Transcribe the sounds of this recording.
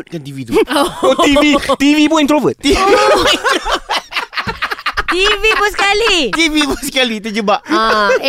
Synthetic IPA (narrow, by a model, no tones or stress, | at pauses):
t̪̚kant̪ivit̪uot̪iit̪ivipoint̪ɾovət̪̚t̪ivion | t̪ivipəskalit̪iviposkalit̪əd͡ʒəbaʔ